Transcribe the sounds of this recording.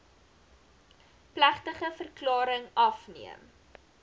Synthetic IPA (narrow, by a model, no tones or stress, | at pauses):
plæχtəχəfərklɑːɾəŋɐfniəm